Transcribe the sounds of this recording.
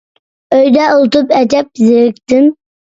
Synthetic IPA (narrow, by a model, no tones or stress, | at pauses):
øjd̪ɛolˠɨt̪ʰupɛd͡ʒɛp̚zɪɾɪkʲt̪ɪm